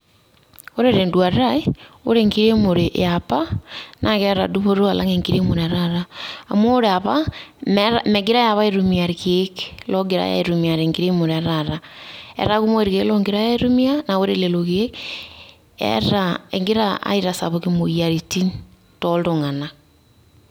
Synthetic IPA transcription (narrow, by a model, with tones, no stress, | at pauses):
o˦ɾeɾe˨ndwa˨ɾɾa˦e˦o̰˦ɾe˦ŋɡi˦ɾe˦mo˨ɾe˨ʔjapa˦nʔa˨kɛ˦ɾa̰˨du˦βo˦ɾo˦a˨la̰˦ŋe˨ŋɡi˦ɾe˦mo˨ɾɛ˨ɾa˦ɾa˦a̰˨mo˦ɾe˨a˨βamɾamɛ˨ɡɪ˦ɾa˦ja˨βa˦eɾu˦mi˨a˨ɾike˦klɔ˦ɡe˨ɾa̰˦ja̰˨e˨ɾu˨mia˨ɾe˨ŋɡiɾe˦mo˨ɾɛ˨ɾaɾaɛ̰˨ɾa˦ɣu˦mo˦e˨ɾi˨ɣe˦lɔ˦ŋɡi˦ɾa˦ja˦e˦ɾu˦mi˦a˦na˨o˦ɾe˦le˨lo˨ɣe˦ | ɛ̰˦ɾaḛ˨ŋɡe˦ɾaʔa̰˦i˦ɾa˨sa̰˨βo˨kemo˨ia˨ɾi˨ti˦n | tɔ˦ldo˨ŋa˨na˨